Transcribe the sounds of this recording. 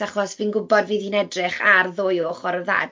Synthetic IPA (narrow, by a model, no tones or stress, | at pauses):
aχɔsvinɡʊbɔdviːðinɛdrɪχarðoːjoːχɔɾða̰d